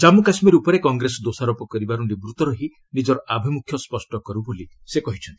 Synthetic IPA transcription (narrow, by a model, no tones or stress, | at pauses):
d͡ʒamukasmɔɾeupɔɾekɔŋɡɾesɔd̪osaɾopɔkɔɾibaɾuɳɖibɾut̪ɔɾɔɦi | nid͡ʒɔɾɔʔabʱimukʰjɔspɔsʈɔkɔɾubolisekɔɦit͡ʃʰɔnt̪i